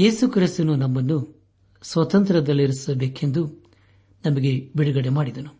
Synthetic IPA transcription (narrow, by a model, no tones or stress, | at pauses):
jeːsukɾist̪ɐnunɐmːɐnːu | sʋɐt̪ɐnt̪ɾɐd̪ɐlːiɾisɐbeːkend̪u | nɐmɐɡe̞biɽuɡɐɽemaːɽid̪ɐnu